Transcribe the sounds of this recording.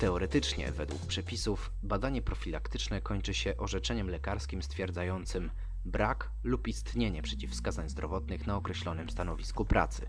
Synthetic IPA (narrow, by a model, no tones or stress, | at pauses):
t̪ɛɔɾɛt̪ɘt͡ʂɲɛ̰vɛd̪wṵk̚pʂɛpʲisuf | bad̪aɲɛpɾɔfʲilakt̪ɘt͡ʂnɛkɔɲt͡ʂɘɕɛʔɔʐɛt͡ʂɛɲɛmlɛkaɾskʲimst̪fʲjɛɾd̪zajɔnt̪sɘm | bɾak | lupist̪ɲeɲɛpʂɛt͡ɕifskazaɲzd̪ɾɔvɔt̪nɘxnaɔkɾɛɕlɔnɘmst̪anɔvʲiskupɾʔa̰t̪sɘ̰